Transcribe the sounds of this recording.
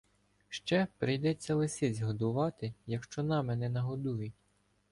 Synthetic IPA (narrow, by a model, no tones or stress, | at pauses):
ʃt͡ʃɛpɾɪjd̪ɛt͡sʲːɐlˠɪsʲizʲɦɔd̪ʊʋɑt̪ɪjɐkʃt͡ʃɔnɑmɛnɛnɐɦɔd̪ujʊtʲ